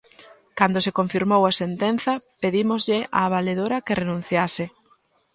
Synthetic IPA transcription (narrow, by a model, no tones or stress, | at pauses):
kand̪osekoɱfiɾmowasent̪enθɐpeðimozʎɪʔa̰ːβ̞aleðoɾɐkerenũn̟θjasɪ